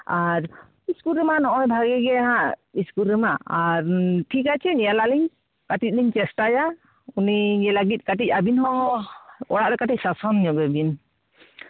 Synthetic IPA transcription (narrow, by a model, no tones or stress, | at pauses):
aɾ | iskulɾəmanɔʔɔjbʱaɡɛɡɛɦãʔiskulɾɛmaaɾʈʰikat͡ʃʰɛnijalaʔliɲ | kaʈic̪̚ˀliɲt͡ʃɛsʈaja | unid͡ʒɛlaɡit̪̚ˀkaʈ̬ic̚ˀabinɦɔɔɔɽaʔɾɛkaʈic̚sasɔnjɔɡɛbin